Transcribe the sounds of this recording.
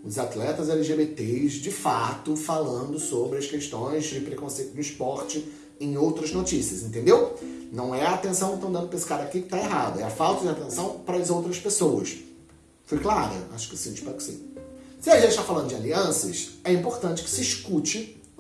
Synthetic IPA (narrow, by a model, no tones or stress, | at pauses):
ʊzat̪lɛt̪ɐzɛliʒebet̪ezd͡ʒɪfat̪ʊfalɐ̃nd̪ʊsobɾɪɐskeʃt̪õj̃zd͡ʒɪpɾekõsejt̪ʊd̪ʊispɔɾt͡ʃɪ | ẽj̃owt̪ɾɐznot͡ʃisiɐzẽnt̪ẽnd̪ewnɐ̃w̃ɛɐːt̪ẽsɐ̃w̃ĩʃt̪ɐ̃w̃d̪ɐ̃nd̪ʊpeesɪ̥kaɾakikɪ̥t̪aeɦad̪ʊɛɐfawt̪ɐd͡ʒɪat̪ẽsɐ̃w̃pɾɐɐzowt̪ɾɐspesowɐ̰s | fojklaɾɐ̰a̰ʃʊ̥kɪsĩɪʃpɛɾʊkɪ̥sḭsɪɐʒẽnt͡ʃɪʃt̪afalɐ̃d̪ʊd͡ʒɪaliɐ̃sɐ̰sɛĩmpoɾt̪ɐ̃nt͡ʃɪ̥kɪ̥sɪiʃkut͡ʃɪ